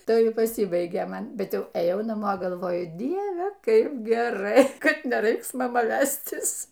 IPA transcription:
ˈtɐɪ pɐˈsʲiːbɐɪɡʲeː ˈmɐn ˈbʲɛt ˈjɛʊ ɛˈjɛʊ nɐˈmoː ɡɐlˠˈʋoːjʊ ˈdʲiɛʋʲɛ ˈkɐɪp ɡʲɛˈrɐɪ ˈkɐt nʲɛˈrɐɪks mɐˈmɐ ˈʋʲæsʲtʲɪs

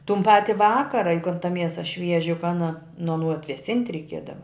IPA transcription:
tʊn ˈpɑːtʲɪ ˈʋɑːkɐrɐ jʊk kɐn tɐ ˈmʲiɛsɐ ˈʃʲʋʲiɛʒʲɪ jʊk ˈɑːnɐ nʊ ɐˈnuː ɐtʲʋʲɛˈsʲɪnʲtʲ rʲɛɪˈkʲiɛdɐʋɐ

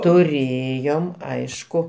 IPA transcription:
tʊˈrʲeːjoːm ˈɐɪʃkʊ

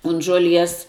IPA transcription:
ʊn ʒuɔˈlʲiɛs

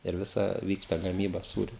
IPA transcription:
ɪr ˈʋʲɪsɐ ˈʋʲiːkstɐ ɡɐˈmʲiːbɐ ˈsuːrʲʊ

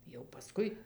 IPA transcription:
jɛʊ pɐˈskʊɪ

